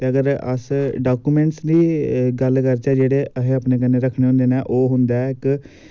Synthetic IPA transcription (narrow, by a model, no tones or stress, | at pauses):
t̪eːəɡəɾə̰sɖaːkuːmẽːɳʈsdiːɡəlkəɾt͡ʃɛːd͡ʒeːɽeːʔəɦeːaːpneːk̬ənːeːɾəkʰɽ̃eɦõnd̪eːnɛːʔoːɦʊnd̪aːɪk